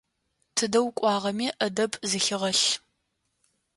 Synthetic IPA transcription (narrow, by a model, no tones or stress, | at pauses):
tʰɨdɐwkʷʼɑːʁɐmiːʔɐdɐbʰʼzɨxɪʁɐɬ